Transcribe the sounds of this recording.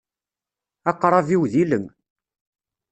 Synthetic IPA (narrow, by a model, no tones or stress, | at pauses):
ɑqːɾˤɑviwðiləŋ